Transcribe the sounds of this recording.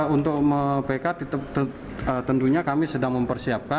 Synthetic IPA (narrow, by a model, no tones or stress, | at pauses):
unt̪ʊk̚məpekat̪it̪əp̚t̪ə | ət̪ənt̪uɲakamisədaŋməmpərsiap̚ka